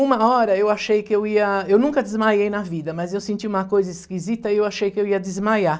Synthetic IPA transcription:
ũmɐɔɾɐewaʃejkɪewiɐewnũŋkɐd̪ɪzmajejnɐvid̪ɐmɐzewsẽnt͡ʃiũmɐkojzɐɪskizit̪ɐɪewaʃejkɪewiɐd̪ɪzmaja

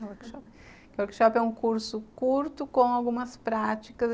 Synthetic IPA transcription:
oɾkʃɔp | kɪwoɾkʃɔpɛũkuɾsʊkuɾt̪ʊkõw̃awɡũmɐspɾat͡ʃikɐz

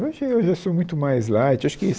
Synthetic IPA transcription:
oʒɪewʒasomũj̃t̪ʊmajzlajt͡ʃwaʃʊ̥kɪ

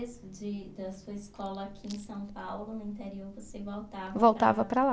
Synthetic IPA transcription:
sʊd͡ʒɪd̪ɐsuɐiskɔlɐakʲʰiẽj̃sɐ̃w̃pawlʊnʊĩnt̪ɛɾioɾvosevowt̪avɐvowt̪a̰vɐpɾɐla

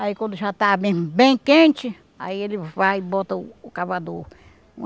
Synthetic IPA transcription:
aikwɐ̃nd̪ʊʒat̪abẽbẽj̃kẽnt͡ʃɪ | a̰ielɪvajbot̪ɐːkaβad̪õ̰

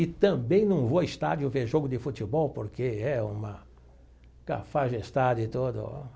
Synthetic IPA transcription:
ɪt̪ɐ̃bẽj̃nɐ̃w̃voɪst̪a̰d͡ʒjʊveɾʒoɡʊd̪ɪfut̪ibɔwpoɾkeɛũmɐ | ka̰faʒest̪ad͡ʒɪt̪od̪ʊ̰

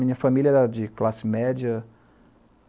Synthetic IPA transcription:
ĩɲɐfamilʲiɐd͡ʒɪklasɪmɛd͡ʒiɐ

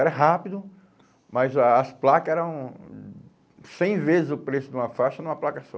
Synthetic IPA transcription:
ɛɾɐɦapid̪ʊ | mɐjzːsplakɐɛɾɐ̃w̃ | sẽj̃vezɪzʊpɾesʊd̪ũmɐfaʃɐnũm̃ɐplakɐsɔ̃

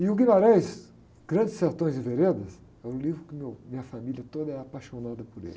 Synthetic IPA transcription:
ɪʊɡimaɾɛjs | ɡ̥ɾɐ̃d͡ʒɪseɾt̪õj̃zɪveɾed̪ɐs | ɛɾʊlivɾʊkɪmewmĩɲɐfamiljɐt̪od̪ɐɛapajʃonad̪ɐpʊɾḛlɪ

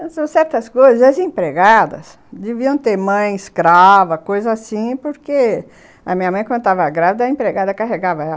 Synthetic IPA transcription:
sɐ̃w̃sɛɾt̪ɐskojzɐzɐzẽpɾeɡad̪ɐ̰s | d̪eviɐ̃w̃t̪eɾmɐ̃j̃ɪskɾavɐkojzɐasĩpoɾke | ɐmĩɲɐmɐ̃j̃kwɐ̃nd̪ʊt̪avɐaɡɾavid̪ɐẽpɾeɡad̪ɐkaɦeɡavɐɛl

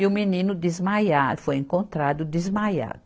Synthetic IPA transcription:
ʊminĩnʊd̪izmajafojẽŋkõnt̪ɾad̪ʊd̪izmaja̰d̪

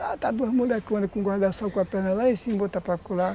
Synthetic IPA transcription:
at̪ad̪ohmulɛkmãnikuŋɡʷahd̪asakʷapɛnalaisimbot̪apakula

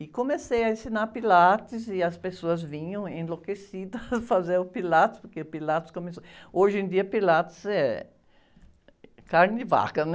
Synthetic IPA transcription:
ɪkomesejɐẽsinaɾpilat̪ɪzɪɐspesoɐzvĩɲɐ̃w̃ẽlokesid̪ɐsfazeɾʊpilat̪ɪ̥spoɾkeʊpilat̪ɪ̥skomesooʒẽd̪iɐpilat̪ɪ̥zɛ | kaɾnɪva̰kɐnɛ

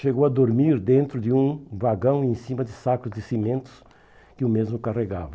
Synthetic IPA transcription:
ʃeɣowɐd̪oɾmiɾd̪ẽnt̪ɾʊd̪ɪũvaɡɐ̃w̃ẽsimɐd̪ɪsakʊzd̪ɪsimẽnt̪ʊ̥s | kɪʊmezmʊkareɡa̰vɐ

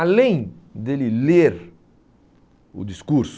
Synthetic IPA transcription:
alẽj̃d̪elɪleɾ | ʊ̰d̪iskuɾs

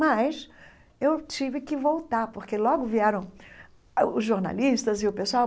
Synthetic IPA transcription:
mɐjs | ewt͡ʃivɪkɪvowt̪aɾpoɾkelɔɡʊviɛɾɐ̃w̃ | ʊzʒoɾna̰liʃt̪ɐzɪʊpesoaw

